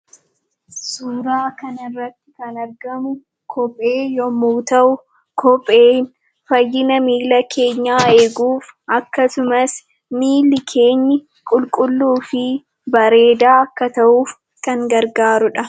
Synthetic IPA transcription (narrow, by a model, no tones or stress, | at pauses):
suːɾaːkɐnɪrːɐt̪ːɪ̥kɐnɐɾɡɐmʊ | kʰɔpʼːeːjɔmːuːt̪ɐʔʊ | kʰɔpʼːeːn | fɐjːɪnɐmiːlɐkʰe̞ːɲːaːeːɡuːfɐkːɐsʊmɐs | miːlːɪkʰe̞ːɲːɪ | kʼʊlkʼʊlːuːfɪ | bɐɾe̞ːd̪aːɐkːɐt̪ɐʔuːf | kɐŋɡɐɾɡaːɾʊᶑɐ